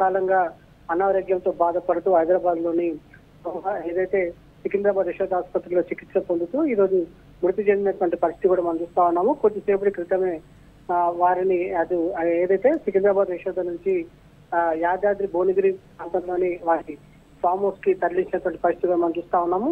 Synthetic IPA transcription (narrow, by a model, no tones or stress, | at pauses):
kaːlɐŋɡaː | ɐnaːʋɾoːɡjɐnt̪o̞ːbaːd̪ɐpɐɽɐt̪uːɦɐjd̪ɾaːbaːd̪lo̞ːni | ɐeːd̪ɐjt̪e̞ː | sikind̪ɾaːbaːd̪ʋiʃɔːd̪ɐɦɐspɐt̪ɾɐlo̞ːt͡ʃikit̪sɐpond̪ut̪uːiːɾo̞ːd͡ʒu | muɾut̪it͡ʃeːnd̪inɐʈʋɐɳʈipɐɾist̪it̪ikuːɽaːmɐnɐmt͡ʃuːst̪aːunːaːmukod̪ːiseːpɐʈikɾit̪ɐme̞ː | ʋaːɾiniɐd̪ueːd̪ɐjt̪e̞ːsikind̪ɾaːbaːd̪ʋiʃɔːd̪ɐnuɲt͡ʃi | jaːd͡ʒ̪aːd̪ɾibo̞ːniɡɾi | aːnt̪ɐmlo̞ːniʋaːɾi | paːmoːskit̪ɐɾliɲt͡ʃinɐʈʋɐɳʈipɐɾist̪it̪ikuːɽaːmɐnɐmt͡ʃuːst̪aːunːaːmu